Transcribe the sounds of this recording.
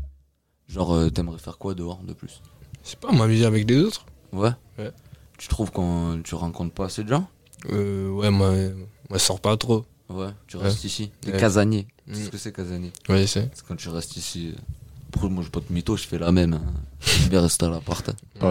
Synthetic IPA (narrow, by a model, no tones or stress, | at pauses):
ʒɑ̃ʁøt̪yɛmʁɛfɛʁkwad̪əɔʁd̪əplyssɛ̥pamamyzɛavɛklezot̪χ | wɛ | wɛ | t̪y̥t̪χuvkɑ̃t̪yʁɑ̃kɔ̃t̪paːsed̪əʒɑ̃ | øwɛmwamwasɔʁpat̪χo | wɛt̪yʁɛst̪isit̪ekazaɲjeskəsɛkazaɲjewɛsɛɛkɑ̃t̪yʁɛst̪isiø̰̃pχømwaʒɛpat̪mit̪oʒfɛlamɛmɛ̃vɛʁɛst̪ealapɔʁt̪ɛ